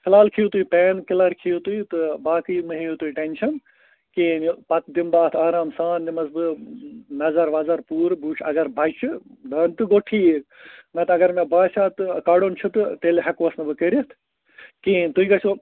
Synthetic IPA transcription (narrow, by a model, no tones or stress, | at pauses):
kʰɪlaːlkʰiut̪uipeːnkɪlɐɾkʰijut̪ujt̪ɨbaːkɨjmɨɦejut̪uiʈenʲʃɐn | kiːnpɐt̪d̪imbaːt̪ʰaːɾaːmsaːnːimɐsbɨnɐzɐɾʋaːzɐɾpuːɾbuːt͡ʃʰɐ̰ɡɐɾbʱɐjt͡ʃʰud̪ɐnt̪ɨɡoʈʰiːenɐt̪ɐɡɐɾmebaːt͡ʃʰaːt̪ɨkaːɖont͡ʃʰut̪ɨt̪elɦɐkʋɐsnɨbɨkəɾit̪ʰ | kiːnt̪uikɐt͡ʃʰo